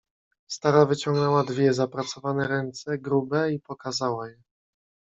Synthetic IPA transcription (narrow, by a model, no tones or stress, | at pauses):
st̪aɾavɘt͡ɕɔ̃ŋɡnɛwad̪vʲjɛzapɾat̪sɔvanɛɾɛnt̪sɛɡɾubɛipɔkazawajɛ